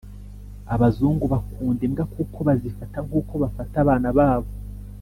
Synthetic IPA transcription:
aβazuːŋɡuβakuːndemɡakuːkʰo̞βazifataŋɡuːko̞βafataβaːnaβaːβo

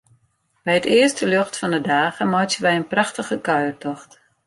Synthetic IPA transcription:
b̥ɛjətɪəstəløxtfɔndədaːɣəmɔjtəʋɛjənprɑxtəɣəkœɥərtɔxt

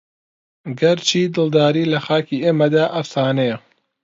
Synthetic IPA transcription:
ɡɐɾt͡ʃʰiːd̪ɨld̪aːɾiːlɐxaːkiːeːmɐd̪aːʔɐfsaːnɐjɛ

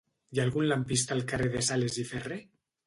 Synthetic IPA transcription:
jalɣunlampist̪alkareðesalezifere

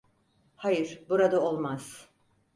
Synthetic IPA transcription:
hajɯɾ̥buɾad̪aolˠmaz̥

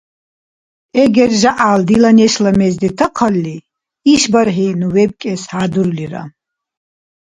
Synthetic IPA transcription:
ɛɡɛrʒaʔald̪ilanɛʃlɐmɛzd̪it̪ʰɐqʰɐlːi | iʃbɐɾħinuwɛb̚kʼɛshad̪uɾliɾa̰

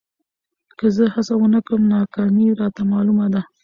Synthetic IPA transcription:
kəzəhasawənəkəmnɑkɑmiɾɑt̪amɑlumad̪a

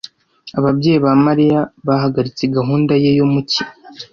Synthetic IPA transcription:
aβabɟe̞ːjiβamaɾijaβahaɡaɾit͡seɡaɦuːndajejomuci

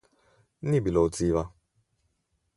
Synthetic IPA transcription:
nibilɔt͡siːβa

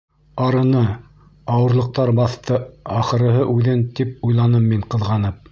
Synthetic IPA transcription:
ɑɾɤ̆nɤ | ɑwɤ̆ɾlˠɤ̆q̚t̪ɑɾbɑθt̪ɤɑχɤ̆ɾɤ̆ɦɤʔʉðɘnt̪ip̚ujlˠɑnɤmːiɴqɤ̆ðʁɑnɤp̚

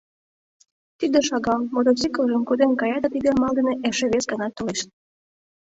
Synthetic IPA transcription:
t̪id̪eʃɑɣɑlmod̪ot͡sikəlʒəmkod̪enkɑjɑt̪ɑt̪id̪emɑlˠd̪eneʔeʃeβesɡɑnɑt̪ːoleʃt̪̚

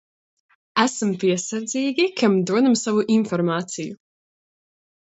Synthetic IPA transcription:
æsmpiɛsaɾd̪ziːɡʲikʰamd̪uɔd̪amsavuʔinfɔɾmaːt̪siju

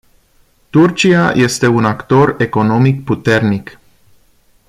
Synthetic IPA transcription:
t̪urt͡ʃiajʔe̞st̪e̞unakt̪o̞re̞ko̞no̞mikput̪e̞rnik

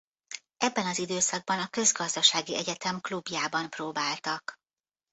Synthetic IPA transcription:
ɛbːɛnɒzid̪øːsɒɡ̚bɒnɒkø̞zɡɒzd̪ɒʃaːɡiʔɛɟɛt̪ɛmklubjaːbɒmproːbaːlt̪ɒk

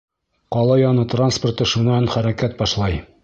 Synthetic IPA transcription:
qɒlˠɑjɒnɤt̪ransport̪ɤʃunːɑnχæɾækæt̪̚bɒʃlˠɑj

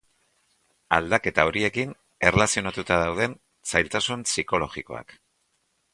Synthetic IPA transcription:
ald̪ake̞t̪ao̞ɾie̞kin | e̞relasio̞nat̪ut̪aðawð̞e̞n | sajlt̪asunsiko̞lo̞ɣiko̞a̰k

